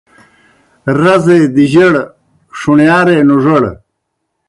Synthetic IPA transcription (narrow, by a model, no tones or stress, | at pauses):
ɾɐzed̪iʑɐɽ | ʂuɳjaːɾenuʐɐɽ